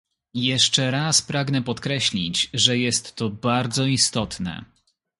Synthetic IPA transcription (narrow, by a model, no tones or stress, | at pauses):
jɛʂt͡ʂɛɾaspɾaɡnɛpɔt̪kɾɛɕlʲḭt͡ɕʐɛjɛst̪ːɔbaɾd̪zɔist̪ɔt̪nɛ̰